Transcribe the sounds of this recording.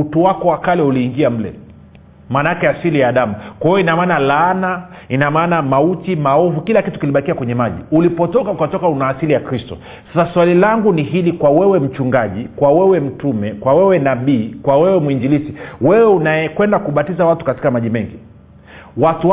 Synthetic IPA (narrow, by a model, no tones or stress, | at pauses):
utuwakɔwakalɛuliːŋɡiam̩lɛ̰ | manakɛasilijaːɗamukwajɔinamaːnalaːnainamaːnamautimaɔvukilakitu̥kiliɓakiakwɛɲɛmaʄḭulipɔtɔkaukatɔkaunaːsilijakɾistɔ̰ | sasaswalilaŋɡuniɦilikwawɛwɛm̩t͡ʃuŋɡaʄikwawɛwɛm̩tumɛkwawɛwɛnaɓiːkwawɛwɛmuiɲd͡ʒilisiwɛwɛunajɛkwɛndakuɓatizawatu̥kati̥kamaʄimɛŋɡi | watu